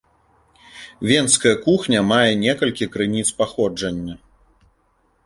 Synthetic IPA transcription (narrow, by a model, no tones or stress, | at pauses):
vʲɛnskɐjɐkuxnʲɐmajɛnʲɛkɐlʲkʲikɾɨnʲit̪spaxɔd͡ʐɐnʲːɐ